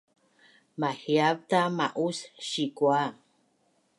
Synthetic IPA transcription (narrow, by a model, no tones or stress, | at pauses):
mahiab̚t̪amaʔusʃikua